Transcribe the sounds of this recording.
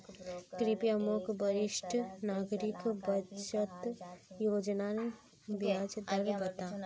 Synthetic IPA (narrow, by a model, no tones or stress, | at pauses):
k̪ɾipijamokbəɾɪʃʈʰnaːɡɾɪkbət͡ʃət̪joːd͡ʒnaɾe | bjaːd͡ʒd̪əɾbət̪aː